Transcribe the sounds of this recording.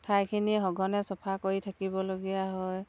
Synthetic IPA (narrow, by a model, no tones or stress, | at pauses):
tʰajkʰiniɦɔɡɔnɛsɔpʰakoɹitʰakibɔloɡijaɦɔj